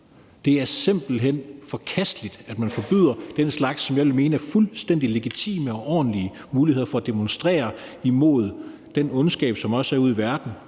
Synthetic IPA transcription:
d̥e̝æɐse̝mb̥l̩ɦen̰fɒ̽kʰæsd̥lid̥æd̥mænfɒ̽b̥yð̰ˠɐd̥enslɑ̈ɡ̥sːɒ̽mjɑ̈ɪʋe̝lme̝ːnəæɐfulsd̥en̰d̥ile̝ɡ̥it͡sʰḭːməɒ̽ʔɒ̰ːn̩liə | muːliheð̰ˠɐfɒ̽ːd̥e̝monsd̥ʁɛ̰ːɐimo̝ð̞̰ˠ | d̥enɔ̽nsɡ̥ɛ̰ːb̥sɒ̽mɒ̽səæɐuð̰ˠiʋæɐd̥n̩

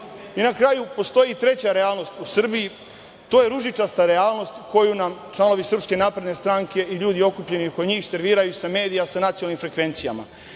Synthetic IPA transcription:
inakɾaːjupo̞st̪o̞jit̪ɾe̞t͡ɕaɾeaːlˠno̞st̪usr̩biji | t̪o̞ːje̞ɾuʒit͡ʂast̪aɾeaːlˠno̞st̪ko̞junamt͡ʂlˠano̞ʋisr̩pske̞naːpɾed̪nest̪ɾaːŋke̞ʔiʎuːd̪io̞kupʎe̞nikoɲiːxse̞ɾʋiːɾajusame̞ːd̪ijasanat̪sionalnimfɾe̞kʋe̞nt̪sija̰ma̰

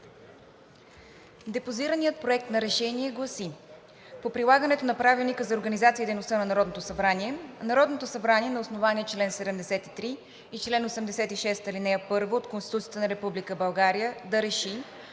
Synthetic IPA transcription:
d̪ɛpoziɾənijət̪̚pɾoɛk̚t̪nɐɾɛʃɛniɛɡlˠɐsi | popɾilˠaɡənɛt̪onɐpɾavilˠnikəzɐoɾɡənizat̪sid̪ejnost̪ənɐnɐɾɔd̪not̪osɐbɾaniɛnɐɾɔd̪not̪osɐbɾaniɛnɐosnovaniɛt͡ʃlɛnsɛd̪ɛmd̪ɛsɛt̪it̪ɾiː | t͡ʃlɛnosɛmd̪ɛsɛt̪iʃɛst̪ɐlinɛjəpɤɾvoːt̪konst̪i̥t̪ut̪sijət̪ənɐɾɛpublikəbɐlˠɡaɾijəd̪ɐɾɛʃi

